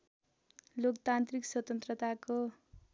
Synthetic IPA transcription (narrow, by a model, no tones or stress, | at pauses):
lokt̪ant̪rikswʌt̪ʌnt̪rʌt̪ako